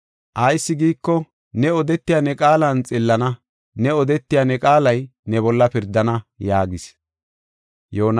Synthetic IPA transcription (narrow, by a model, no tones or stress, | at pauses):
ʔɐjsːɪɡiːkːɔ | nɛɔd̪ɛt̪ːɪjanɛkʼaːlɐnt͡sʼɪlːɐnɐ | nɛɔd̪ɛt̪ːɪjaːnɛkʼaːlɐjnɛbɔlːɐpɪɾd̪ːɐnɐjaːɡɪs | joːn